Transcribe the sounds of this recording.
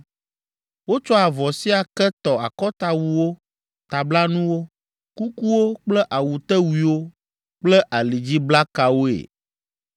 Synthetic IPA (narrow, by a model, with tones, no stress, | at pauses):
wo˦t͡ʃɔ˦a˨vɔ˨si˦a˨kɛ˦t̪ɔ˨a̰˨kɔ˦t̪a˨wu˨wo˦ | t̪a˨bla˦nũ˦wo˦ | ku˦ku˦wo˦k͡plɛ˦ʔa˨wu˨t̪ɛ˦wi˨wo˦ | k͡plɛ˦ʔa˨li˨d͡ʑi˦bla˦ka˨wo˦ḛ˨